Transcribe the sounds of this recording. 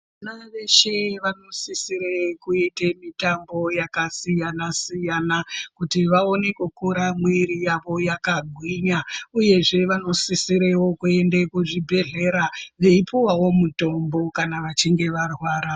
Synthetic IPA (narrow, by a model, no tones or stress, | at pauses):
ʋanaʋe̞ʃe̞ʋano̞sisiɾekuitemitambo̞jakasijanasijanakutiʋao̞ne̞kukuɾamwiɾijaʋo̞jakaɡʱwiɲauje̞ʐe̞ʋano̞sisiɾewo̞kue̞ndekuʐibʱe̞ɮe̞ɾaʋe̞ipuwawo̞muto̞mbo̞kanaʋat͡ʃiŋɡe̞ʋarwaːɾa